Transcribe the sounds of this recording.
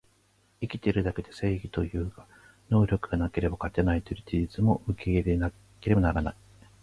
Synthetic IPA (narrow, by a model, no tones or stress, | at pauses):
ikʲi̥t̪e̞ɾɯ̟d̪ake̞d̪e̞se̞ːɡʲit̪o̞jɯ̟ːkḁ | no̞ːɾʲo̞kɯ̟ɡanake̞ɾe̞bakat̪enait̪ojɯ̟t͡ɕiʑit͡sɨmo̞ɯ̟kʰe̞iɾena | ke̞ɾe̞banaɾanai